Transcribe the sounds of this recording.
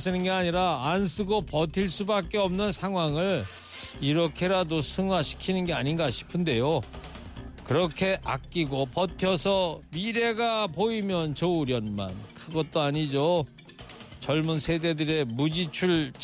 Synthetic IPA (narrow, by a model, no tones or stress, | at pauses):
sɯnɯnɡeaɲiɾaːnsʰɯɡopʌtʰiɭs͈ubak̚k͈e̞ʌmnɯnsʰaŋɦwaŋɯɭ | iɾʌkʰe̞ɾadosʰɯŋwaɕʰi̥kʰinɯnɡe̞aɲinɡaɕʰi̥pʰɯnde̞jo | kɯɾʌkʰe̞ʔakk͈iɡopʌtʰjʌsʰʌmiɾe̞ɡapoimjʌnt͡ɕʌuɾjʌnma̰nkʰɯɡʌt̚t͈oaɲid͡ʑo | t͡ɕʌɭmunsʰe̞de̞dɯɾe̞mud͡ʑit͡ɕʰuɭ